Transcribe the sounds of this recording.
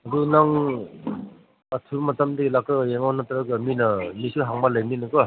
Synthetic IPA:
ɐdunaŋ | atʰumɐtamdilakɯjeŋanataɾɯkɯminɐmisuɦaŋmalajninɯkɯ

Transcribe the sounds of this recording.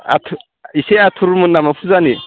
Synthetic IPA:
a̰tʰ | iseat̪ʰuɾmunːamafuzani

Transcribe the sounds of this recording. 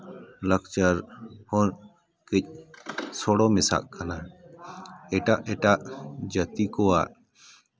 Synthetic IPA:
lək̚t͡ʃəɾhɔɾ | kic̚ˀsɔɽɔmɛsa̰ʔkana | ɛʈaʔɛʈaʔd͡ʒət̪ikɔa̰ʔ

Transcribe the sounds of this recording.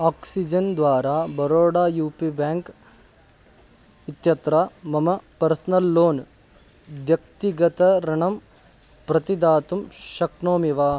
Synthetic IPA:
aːksid͡ʒɐnd̪ʋaːɾaːbɐɾoːɽaːjuːpibaːŋk | it̪jɐt̪ɾaːmɐmɐpɐɾsɐnɐlːoːn | ʋjɐkt̪iɡɐt̪ɐɾɐɳɐm | pɾɐt̪id̪aːt̪umʃɐkɳoːmiʋaː

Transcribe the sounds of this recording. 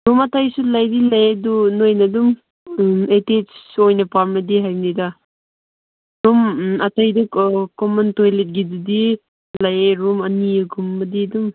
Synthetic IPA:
ɾumatʰajsulajdilajedunojnadum | etet͡ʃsojnapaɾmɐdiɦajmnida | ɾumatʰajdukɔmɔntojlet̚ɡidudi | lajeɾumaniɯɡʰumbɐdidum

